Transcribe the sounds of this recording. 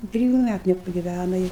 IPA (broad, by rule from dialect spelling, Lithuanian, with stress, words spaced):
ɪ ˈtʲrʲɪjʊ ˈmʲætʊ nʲɛpɐɡʲɪˈʋʲænɐ ɪ